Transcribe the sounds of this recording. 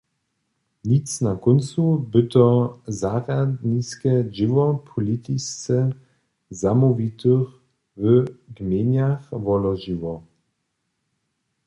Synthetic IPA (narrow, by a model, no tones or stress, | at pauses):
nitt͡snakɔnt͡subɨt̪ɔzaʁad̪nʲiskɛd͡ʑɪwɔpʰɔlit̪ist͡sɛ | zamuvʲit̪ɨx | vəɡmʲjeɲaxvɔlɔʒiwɔ